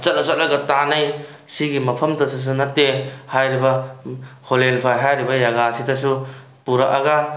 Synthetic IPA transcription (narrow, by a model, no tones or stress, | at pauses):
t͡ʃɐt̚nɐsɐt̚lɐɡɐtanɐj | siɡimɐpʰɐmtɐsus̬unɐtːehajɾibɐ | holelpʰajɦajɾibɐjaɡasitɐsu | puɾaʔaɡa